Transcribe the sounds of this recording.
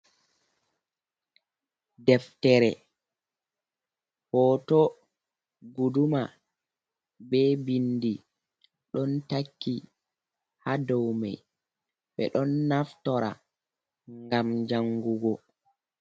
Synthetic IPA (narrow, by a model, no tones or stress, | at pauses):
dɛftɛɾɛ̰ | hɔtɔ | ɡuduma | bɛbindi | ɗɔntakːi | hadɔwma̰j | ɓɛ̰ɗɔnːaftɔɾa̰ | ŋɡamd͡ʒaŋɡuɡɔ